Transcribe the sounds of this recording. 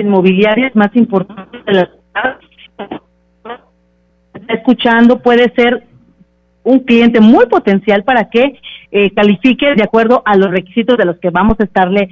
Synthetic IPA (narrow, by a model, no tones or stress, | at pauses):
inmo̞βiljaɾjazmasimpo̞ɾt̪ant̪ezðelas | as | est̪aeskut͡ʃand̪o̞pwe̞ðe̞se̞ɾ | uŋklje̞nt̪e̞mujpo̞t̪e̞nsjalpaɾake̞kalifike̞ðeakwe̞ɾðo̞ʔalo̞sre̞ki̥sit̪ozðe̞lo̞ske̞βamo̞saest̪aɾle̞